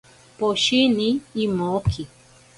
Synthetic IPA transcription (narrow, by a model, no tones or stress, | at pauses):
poʃiniːmokʰi